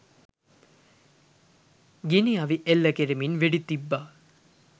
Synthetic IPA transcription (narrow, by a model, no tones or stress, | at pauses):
ɡiniaʋiʔelːɐkeɾiminʋeɖit̪ibːaː